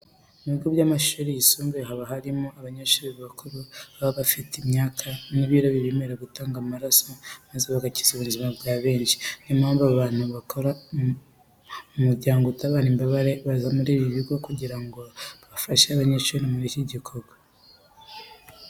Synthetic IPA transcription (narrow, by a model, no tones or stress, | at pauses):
muβiɡobɟamaʃuːɾijisuːmɡeɦaβaɦaɾimo̞aβaɲaʃuːɾiββakʰoɾuβaβafitimɲaːkʰaniβiːɾoβiɾemeɾeɡutaːŋɡamaɾasomazeβaɡaci̥zuβunzimabɡaːβe̞ːnʃi̥nimaːmbaβaːn̥huβakʰoɾa | umuɾɟaːŋɡoutaβaːnimbaβaɾe̞βazamuɾiːβiβiɡo̞kuɟiɾaŋɡo̞βafaʃeaβaɲeːʃuɾimuɾiciɟikʰo̞ɡwa